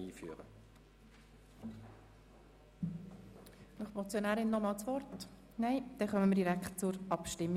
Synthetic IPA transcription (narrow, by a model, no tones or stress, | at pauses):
iːfy̰ːəʁə̰ | nʊχmɔt͡sjonæːɾɪnːɔmɑːlt͡sʋɔrt | næɪd̪̥ɛχœməməɾdiɾækχtt͡sʊɾɑpʃtɪmːi